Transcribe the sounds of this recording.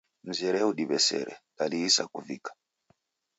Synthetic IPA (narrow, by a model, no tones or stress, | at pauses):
m̩zɛɾɛuɗiɓɛsɛ̰ɾɛ̰laliːsakuvikḁ